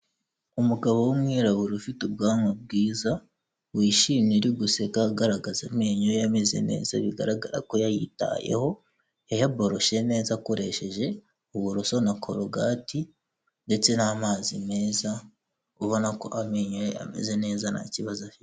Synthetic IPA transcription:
umuɡaβo̞wumŋiːɾaβuɾufitub̚ɡaːmab̚ɡiːza | wiːʃimɲiɾiɡuse̞kaɡaɾaɡazameɲojejame̞ze̞̰ne̞̰ːza̰βiɡa̰ɾaɡaɾa̰ko̞jajita̰je̞̰ho̞ | ejabo̞ɾo̞ʃe̞ne̞ːzakoɾe̞̰ʃe̞ʒe̞ | uβuɾuso̞nakʰo̞ɾoɡati | nde̞t͡se̞namaːzime̞ːza | uβo̞nako̞̰ʔameːɲojeja̰me̞̰ze̞ne̞ːzana̰ciβazafit

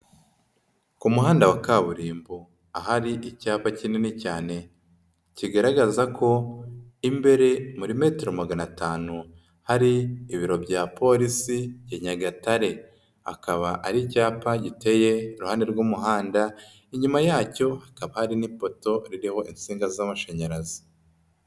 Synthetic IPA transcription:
kumuɦaːndawakaβuɾiːmbo | aɦaɾiʔicaːpacinenecaːne̞ | ciɡaɾaɡazakʰo̞imbe̞ɾe̞muɾime̞ːteɾo̞maɡanataːnu | haɾiːβiɾo̞bɟapo̞ɾisiɟeɲaɡataɾe̞ | a̰kaβaʔaɾicaːpaɟite̞je̞ɾuhaːneɾɡuːmuɦaːnda | iɲumajaːco̞hakaβahaɾinipo̞to̞ɾiɾiho̞ʔint͡siːŋɡazamaʃaɲaɾazi̥

